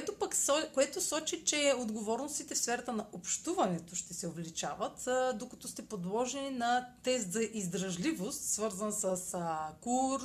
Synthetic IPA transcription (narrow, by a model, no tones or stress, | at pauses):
ɛt̪opɐksɔkoɛt̪osɔt͡ʃit͡ʃɛod̪ɡovɔɾnost̪it̪ɛfsfɛɾɐt̪ənɐopʃt̪uvɐnɛt̪oʃt̪ɛsɛovlit͡ʃa̰vət̪d̪okɐt̪ɔst̪ɛpod̪lˠɔʒɛninɐt̪ɛs̬t̪zɐʔizd̪ɾɐʒlivost̪svɤɾzənsəskuɾ